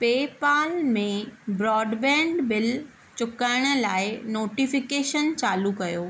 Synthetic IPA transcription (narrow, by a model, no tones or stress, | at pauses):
peːpaːlmẽbɾɔːɖbɛ̃ːɳɖbɪl | t͡ɕʊkaːɪɽ̃ə̆laːɪnoːʈifɪkeːʃənt͡ɕaːlukɐjoː